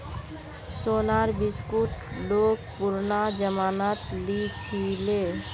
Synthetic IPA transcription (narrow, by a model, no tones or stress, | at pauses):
sonaɾbiskuʈlok̚puɾnad͡ʒəmanat̪lit͡ʃʰile